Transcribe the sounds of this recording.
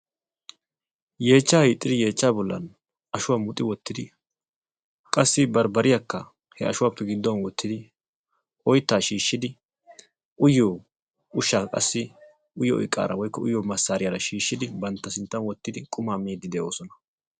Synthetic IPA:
je̞ːt͡ʃːaːhiːt̪ʼːɪd̪ɪje̞ːt͡ʃːaːbɔlːɐ̰n | ɐʃʊwaːmʊt̪ʼːɪwɔt̪ːɪd̪ɪ | kʼɐsːɪbɐɾbɐɾɪjakːɐ | hɛɐʃʊwaːpːɛɡɪd̪ːɔnwɔt̪ːɪd̪ɪ | ʔɔjt̪ːaːʃiːʃːɪd̪ɪ | ʊjːoː | ʊʃaːkʼɐ̰sːɪ | ʊjːɔɔ̰jɪkʼːa̰ːɾɐwɔjkːɔʔʊjoːmɐsːaːɾɪjaɾɐʃiːʃːɪd̪ɪbɐnt̪ːɐsɪnt̪ːɐnwɔt̪ːɪd̪ɪkʼʊmaːmeːd̪ːɪd̪ɛʔo̞̰ːsɔnɐ̥

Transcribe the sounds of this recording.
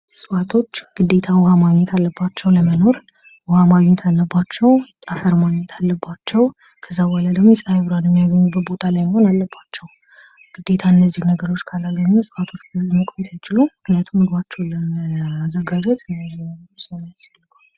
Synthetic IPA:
sʼfat̪ʰo̞t͡ʃːɡ̥ɨd̪e̞t̪ʰawhamaɡɲːɛt̪ʰalːəbːat͡ʃːɛwləməno̞ɾ | wɔhamaɡɲːɛt̪ʰalːəbːat͡ʃːɛwt̪ʼafəɾmaɡɲːɛt̪ʰalːəbːat͡ʃːɛw | kʰəzːawaləd̪əɡmojɛsʼajβɾaljɛmːijaɡəɲːubəbo̞t̪ʼʰalajmho̞nalːəbːat͡ʃːɛw | ɡ̥ɨd̪ːe̞t̪ʰaɨnːəzːihnəɡəɾo̞t͡ʃːkʰalaɡəɲːusʼɨfat̪ʰo̞t͡ʃːbmɨkʼbet̪ʰajt͡ʃɪlumɨknijat̪ʰumɨd̪wat͡ʃːɛwləməazːəɡad͡ʒɛt̪ɨnəzinəsnjasalːɨkʰʼal

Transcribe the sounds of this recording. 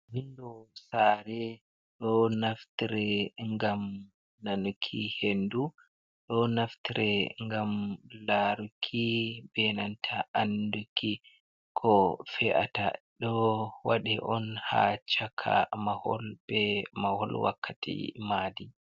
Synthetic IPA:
mindɔsaɾɛ | ɗɔnaftiɾɛŋɡam | nanukʰihendu | ɗɔnaftiɾɛŋɡamlaɾukʰibɛnantʰaʔandukʰi | kʰɔfɛʔa̰ta̰ɗɔwaɗiʔɔnha̰t͡ʃakʰa̰mahɔ̰lbɛmahɔlwa̰kʰːatḭmadi

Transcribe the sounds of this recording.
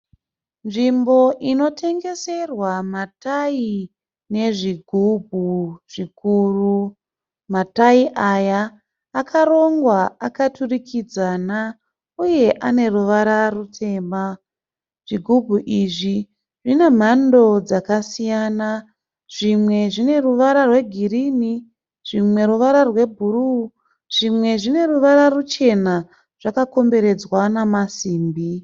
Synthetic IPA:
nʐimbo̞ʔino̞tʰe̞ŋɡe̞se̞rwamatai | ne̞ʐiɡʱubʱuʐ̥ikuru | mataiʔajaː | kʰaɾo̞ŋɡwaakaturikʰid͡zana | uje̞ʔane̞ruʋaɾarutʰe̞ːma | ʐ̥iɡʱubʱuʔiʐi | ʐine̞m̤ando̞d͡zakasijaːna | ʐ̥imwe̞ʐine̞ruʋaɾarwe̞ɡʱiriːni | ʐ̥imwe̞ɾuʋaɾarwe̞bʱuɾu | ʐ̥imwe̞ʐine̞ruʋaɾarut͡ʃe̞na | ʐ̥akako̞mbe̞ɾe̞d͡zwanamasiːmbi

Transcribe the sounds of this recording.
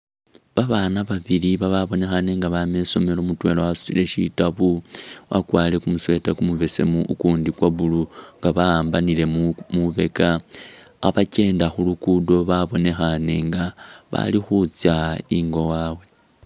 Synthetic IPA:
βaβaːnaβaβiliβaβaβo̞ne̞xaneŋɡaβame̞so̞me̞lomutwe̞lowasu̥t͡sile̞ʃḭtaβuwa̰kwaːle̞kumuswe̞takumuβe̞se̞̰muʔːkuːndikwaβuluŋɡaβaaːmbanile̞muβe̞kaː | βace̞ːndaxulukudo̞βaβo̞ne̞xane̞ŋɡaβa̰lixut͡sjaiŋɡo̞waːwe̞

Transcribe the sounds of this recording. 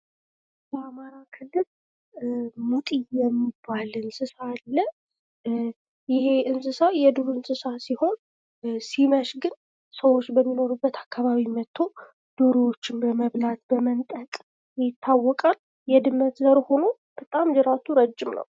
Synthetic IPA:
bəamaɾakʰɨlːɨl | mut̪ʼijjɛmːibːalɨnsɨsaːlːə | jɪhe̞ʔɨnsɨsajɛd̪uɾɨnsɨsasiho̞n | siməʃɡɨn | səwo̞t͡ʃːbəmːino̞ɾubːət̪ʰakːaβaβimət̪ʰːo̞ | d̪̥oɾowot͡ʃːɪnbəməβlat̪bəmənt̪ʼəkʼ | jɪt̪ʰːawːɔkʼal | jɛd̪ɨmːət̪zəɾho̞no̞ | b̥ət̪ʼamzɨɾat̪ʰuɾəd͡ʒːɪmnə̰w

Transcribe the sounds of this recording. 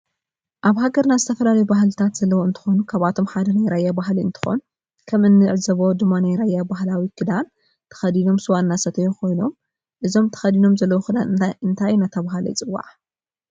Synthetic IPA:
ʔaβhaɡɐɾnazɨt̪ʰɐfɐlalɐjubahlɨt̪ʰat̪z̥ɐlːɐwoɨnt̪ʰɨ̥xo̞nukʰaβat̪ʰo̞mħad̪ɐnajɾajabaɦliɨ̰nt̪ʰɨ̥xo̞̰nu | kʰɐmɨnːɨʕzɐβod̪ɨmːanajɾajabahlawikʰɨd̪an | t̪ʰɐ̥xɐd̪ino̞msɨwanːasɐt̪ʰɐjukʰo̞jno̞m | ʔɨzo̞mt̪ʰɐ̥xɐd̪ino̞mzɐlːɐwokʰɨd̪aɨnt̪ʰajnat̪ʰɐβaɦalɐ̰jt͡sʼɨwːa̰ʕ

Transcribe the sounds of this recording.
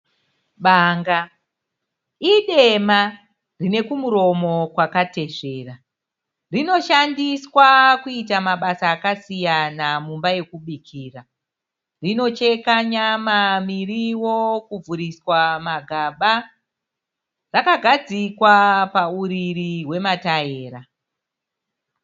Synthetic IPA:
ɓaːŋɡa | iɗe̞ma | rine̞kumuɾo̞mo̞kwakate̞ʐe̞ːra | rino̞ʃandiswakuitamaɓasaːkasijanamumbaje̞kuɓikʰiːra | rino̞t͡ʃe̞kaɲamamiriwo̞kub͡vuɾiswamaɡʱaɓa | rakaɡʱad͡zikwapauɾiɾiɦwe̞mataeːɾa

